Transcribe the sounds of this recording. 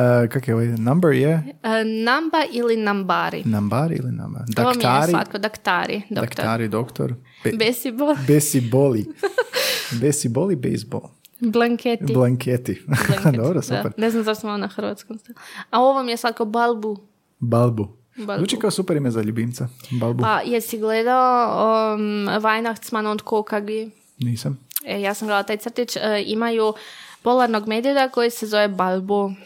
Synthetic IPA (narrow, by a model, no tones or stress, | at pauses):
kakojeoʋojnambɛɾjenambaʔilinambaɾḭnambaɾiḭlḭna̰mba̰d̪aʋokmj̪j̪aɾɾia̰t̪kod̪akt̪aːɾḭd̪oakt̪aɾid̪okt̪o̰ɾ | besibolbesiboli | besibolˠibḛjs̚bo̰lˠ | blaŋketblˠaŋkʰet̪id̪obɾosupeɾneznamzaʃst̪imaonaxɾ̩ʋa̰t̪skomst̪alaoʋomijesad̪̚kaobalˠbu | balˠbu | baluːt͡ʃikaosupeɾimezaʎubint̪sabalˠbupajesiɡled̪ao | ʋajnaxt̪smanond̪kokaɡi | niːsamejaːsamɡled̪at̪aːjt̪sr̩t̪it͡ʃimajupolˠaɾnoɡmeːd̪ijod̪akojise̞zo̞ʋebalˠbo